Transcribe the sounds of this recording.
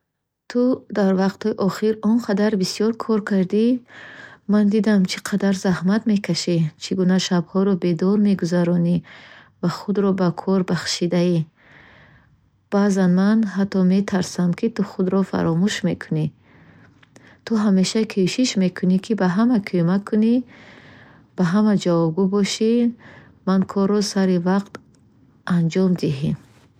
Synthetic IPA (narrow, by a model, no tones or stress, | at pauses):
t̪ʰud̪aɾvaqt̪hɔiʔɔχiɾɔnqʰad̪aɾbisijɔɾkʰɔɾkʰaɾd̪i | mand̪id̪amt͡ʃʰi̥qʰad̪aɾzahmat̪me̞kʰaʃit͡ʃʰiɡunaʃabhɔɾɔbe̞d̪ɔɾme̞ɡuzaɾɔni | vaχud̪ɾɔbakʰɔɾbaχʃid̪ai | b̥azanmanɦat̪ʰːɔme̞t̪ʰaɾsamkʰit̪uχud̪ɾɔfa̰ɾɔmuʃme̞kʰuni | t̪ʰuɦame̞ʃakʰuʃiʃme̞kʰunikʰibaɦamakʰømakʰːuni | b̥aɦamad͡ʒavɔb̚ɡubɔʃi | mankʰɔɾːɔsaɾivaqt̪ | ʔand͡ʒɔmd̪iɦin